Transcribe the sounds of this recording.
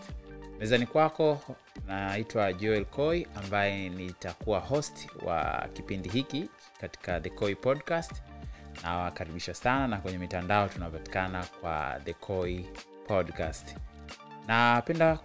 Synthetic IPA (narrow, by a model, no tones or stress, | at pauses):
mɛzanikwakɔ | naitwaʄɔɛlkʰɔiambajɛnitakuaɦɔstwa̰kipindiɦiki | kati̥kaðɛkɔipɔdkastnawakaɾiɓiʃasananakwɛɲɛmitandaɔtunapati̥kanakwa̰ðɛkʰɔi | pʰɔɗkast | napɛnda